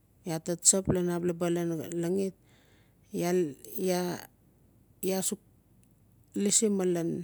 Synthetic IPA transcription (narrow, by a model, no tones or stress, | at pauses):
jatatt͡ʃaplanaplabalanlaŋit̚ | jaja | jasuk̚ | lisimalan